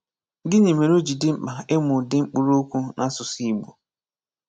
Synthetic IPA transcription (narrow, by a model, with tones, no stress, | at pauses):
dɪ˦ne˨me˨ɾo˦d͡ʒi˨dɪ˦m̩˦k͡pa˨e˦mʊ˨dɪ˦ŋ͡m̩˦k͡pu˦ɾo˦kʷu˦nʔa˦sʊ˨si˦ɡ͡bo˨